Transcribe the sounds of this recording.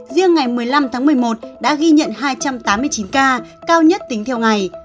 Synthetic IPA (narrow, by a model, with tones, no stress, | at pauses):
zi˧əŋːa˨˩jmɨ˨˩əjla˧mt̪ʰaː˨˦ŋmɨ˨˩əjmo˨˩t̚ɗa̰ː˧˥ɣi˧ɲə̰˧˨nɦaː˧jt͡ɕa˧mt̪aː˨˦mːɨ˧əjt͡ɕi˨˦nkaː˧kaː˧wɲə˦˥t̚t̪ï˨˦ŋ̟t̪ʰɛ˧wŋa˨˩j